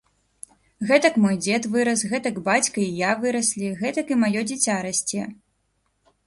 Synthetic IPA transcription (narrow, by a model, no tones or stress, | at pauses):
ɣɛt̪ɐkmɔjd͡zʲɛt̪vɨɾɐsɣɛt̪ɐɡbat͡sʲkɐijavɨɾɐsʲlʲiɣɛt̪ɐkimajɔd͡zʲit͡sʲaɾɐsʲt͡sʲɛ